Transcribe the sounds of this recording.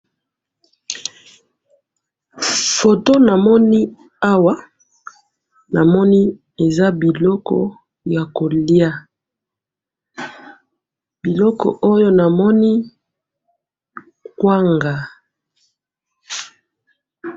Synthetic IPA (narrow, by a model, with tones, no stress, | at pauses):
fo˨to˦na˨mɔ˦ni˦ | a˦wa˦ | na˨mɔ˦ni˦ | e˨za˦bi˨lɔ˦kɔ̰˨ | ja˨ko˨li˦a˦ | bi˨lɔ˦kɔ̰˨ʔo˦jo˦na˨mɔ˦ni˦ | kwa˦ŋɡa˨